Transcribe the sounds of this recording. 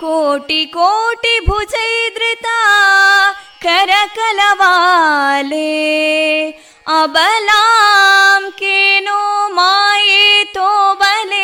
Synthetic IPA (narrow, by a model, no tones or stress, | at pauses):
koːʈikoːʈibʱud͡ʒɐjd̪ɾɪt̪a | kɐɾɐkɐlɐʋa | le | ɐbɐlaːmkenomaːjet̪obɐle